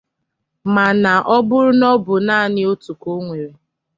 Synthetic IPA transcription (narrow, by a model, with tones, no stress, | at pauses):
ma˨na˨ʔɔ˦bʊ˦ɾʊ˦nɔ˦bʊ˨naː˦˨nɪ˦o˦tu˨ko˦ŋʷe˨ɾe˨